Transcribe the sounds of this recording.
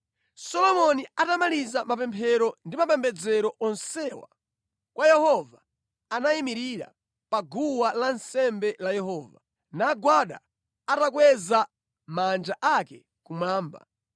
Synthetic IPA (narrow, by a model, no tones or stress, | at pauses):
sɔlɔmɔniatamalizamap̬ɛmpʰɛɾɔndimapɛmbɛd͡zɛɾɔʔɔnsɛwa̰ | kwʔajɛhɔva | anaimiɾiɾa̰ | paɡuwalansɛmbɛlajɛɦɔːva̰ | naɡwaɗa̰ | atakwɛza | mand͡ʒaʔakɛ | kumwaːmba̰